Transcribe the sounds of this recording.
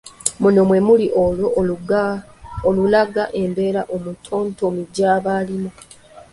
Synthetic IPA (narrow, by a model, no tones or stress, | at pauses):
muno̞mwe̞muliʔolo | olulaɡaʔe̞mbe̞ːɾaʔomutʰo̞ːntomiɟaːβaːlimo